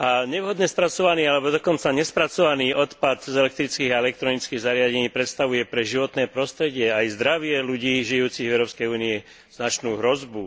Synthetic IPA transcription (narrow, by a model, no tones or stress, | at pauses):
aɲɛʋɦɔd̪ɲɛspɾat͡sɔʋaniːalɛbɔd̪ɔkɔnt͡saɲɛspɾat͡sɔʋaniːʔɔt̪pad̪zɛlɛk̚t̪ɾit͡skiːɣaɛlɛk̚t̪ɾɔnit͡skiːɣzaɾɪaɟɛɲiːpɾɛt̪st̪aʋujɛpɾɛʒiʋɔt̪nɛːpɾɔst̪ɾɛɟɪɛajzd̪ɾaʋɪɛluɟiːʒijuːt͡siɣʋɛʊɾɔːpskɛjuːniɛ | z̥nat͡ʃnuːɦɾɔzbu